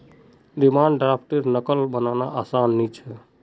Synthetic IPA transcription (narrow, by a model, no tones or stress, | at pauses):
dimaːɳɖɖɾapʰʈiɾnəkəlbənanaʔaːsaːnːit͡ʃʰɛ